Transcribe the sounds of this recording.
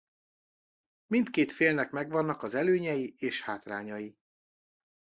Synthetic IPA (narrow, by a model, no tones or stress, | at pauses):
mint̪keːt̪feːlnɛkmɛɡʋɒnːɒkɒzɛløːɲɛjieːʃhaːt̪raːɲɒji